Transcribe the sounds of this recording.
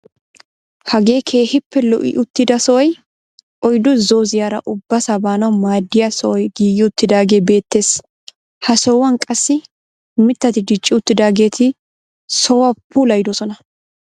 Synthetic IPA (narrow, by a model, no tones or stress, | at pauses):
hɐɡe̞ːkʰeːhɪpːɛlɔʔɪ̰ʔʊt̪ːɪd̪ɐsɔʔɔj | ʔɔjd̪ʊzo̞ːzɪjaːɾɐ̰ʔʊbːɐsabaːnɐwmaːd̪ːɪjɐsɔʔɔjɡiːjːɪʊt̪ːɪd̪aːɡe̞ːbe̞ːt̪ːe̞ːs | hɐsɔwɐnkʼɐsːɪ | mɪt̪ːɐt̪ɪd̪ɪt͡ʃʼːɪʊt̪ːɪd̪aːɡe̞ːt̪ʰɪ | sɔwɐpʰːuːlɐjd̪ɔsɔnɐ